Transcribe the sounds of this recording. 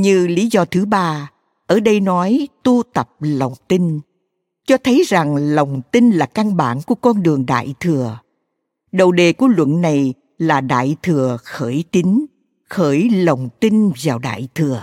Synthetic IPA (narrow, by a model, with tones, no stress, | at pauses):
ɲɨ˧li˨˦zɔ˧t̪ʰɨ˨˦ɓaː˧ | ʔəː˧˩ɗə˧jnɔ˨˦jt̪u˧t̪ə˨˩p̚lə˨˩wŋ͡mt̪i˧n | t͡ɕɔ˧t̪ʰə˨˦jza˨˩ŋlə˨˩wŋ͡mt̪i˧nlaː˨˩ka˧ŋɓa̰ː˧˩nku˧˩əkɔ˧nɗɨ˨˩əŋɗa̰ː˧˨jt̪ʰɨ˨˩ə | ɗə˨˩wɗe˨˩ku˧˩əlwə̰˧˨nːa˨˩j | laː˨˩ɗa̰ː˧˨jt̪ʰɨ˨˩əxəː˧˩jt͡ɕ̪i˨˦ŋ | xəː˧˩jlə˨˩wŋ͡mt̪i˧nvaː˨˩wɗa̰ː˧˨jt̪ʰɨ˨˩ə